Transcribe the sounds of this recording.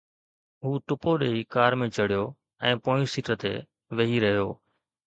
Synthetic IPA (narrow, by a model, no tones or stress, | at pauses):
ɦuːʈʊpoɗeːikaːɾmẽt͡ʃəɽɪjoː | ɛ̃ːpõːɪsiːʈət̪ḛː | ʋeɦiɾəɦijoː